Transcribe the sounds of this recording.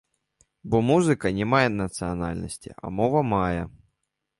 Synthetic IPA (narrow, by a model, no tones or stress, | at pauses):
bɔmuzɨkɐnʲɪmajɛnɐt̪sɨɐnalʲnɐsʲtʲiʔɐ̰mɔvɐmajɐ